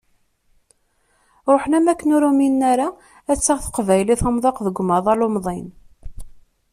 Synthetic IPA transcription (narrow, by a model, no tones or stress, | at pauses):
ɾˤoħnæmækːənuɾuminːæɾa | æt͡sːəʁθə̥qvæjliθəmðˤɑqðəɡʷmɑðˤɑlʊmðˤin